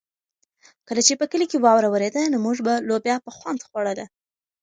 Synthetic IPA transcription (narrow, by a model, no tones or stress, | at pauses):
kəlat͡ʃepəkəlikewɑwɾawəɾed̪anomuʐbalobjɑpəxwand̪xwaɽəla